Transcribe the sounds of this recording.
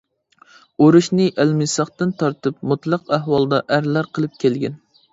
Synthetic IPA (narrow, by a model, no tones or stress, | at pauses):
oɾuʃnɨʔælmɪsɑχt̪ɨnt̪ʰɑɾt̪ɨp̚mut̪lˠɑqæɦwɑlˠd̪ɑʔæɾlæɾqʰəlˠɨp̚kʲʰelɡʲɛn